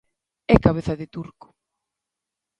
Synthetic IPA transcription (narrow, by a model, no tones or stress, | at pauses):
ɛkaβ̞eθɐðɪt̪uɾkʊ̥